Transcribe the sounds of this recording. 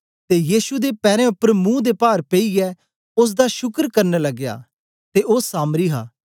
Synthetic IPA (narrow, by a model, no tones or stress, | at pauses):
t̪ejiːsud̪epɛːɾɛ̃ʊpːəɾmũːd̪epaːɾpeiɡɛ | ʊs̬d̪aʃʊkəɾkɐɾnelɐɡja̰ː | t̪eʔoːsaːmɾiɦaː